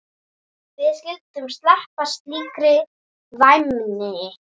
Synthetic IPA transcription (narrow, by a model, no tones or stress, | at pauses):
vɪðscɪlt̪ʏmst̪lahpast̪liːkɾɪ | vajmnɪɪ